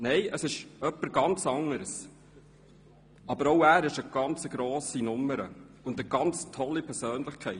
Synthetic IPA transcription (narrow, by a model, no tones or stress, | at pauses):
nɛɪʔəsɪʃœpːəɾɡɑnt͡sɑŋəɾs | ɑbəɾoʊæːɾɪʃəɡ̥ɑnt͡səɡɾoːsinʊmːəɾə̰ | ʊndəɡɑnt͡stʰɔlːipʰɛɾsøːnlɪχkʰɛɪt